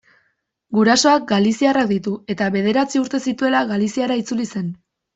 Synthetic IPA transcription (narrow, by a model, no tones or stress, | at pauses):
ɡuɾaso̞ak̚ɡalisiarak̚d̪it̪ue̞t̪aβe̞ð̞e̞ɾat͡siuɾt̪e̞sit̪ue̞laɣalisiaɾait͡sulise̞n